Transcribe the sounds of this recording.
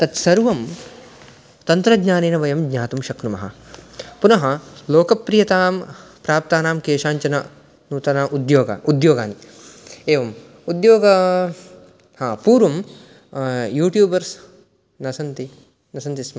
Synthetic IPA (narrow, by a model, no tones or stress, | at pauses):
t̪ɐt̪sɐɾʋɐm | t̪ɐnt̪ɾɐɡɲaːneːnɐʋɐjɐmɡɲaːt̪umʃɐknumɐɦɐ̰punɐɦɐloːkɐpːɾijɐt̪aːmpɾaːp̚t̪aːnaːmkeːʂaːɲt͡ʃɐnɐ | nuːt̪ɐnaːʔud̪joːɡa̰ːʔud̪joːɡaːni | eːʋɐm | ud̪joːɡɐ | hãːpuːɾʋɐm | juːʈjuːbɐɾs | nɐsɐnt̪i | nɐsɐnt̪ism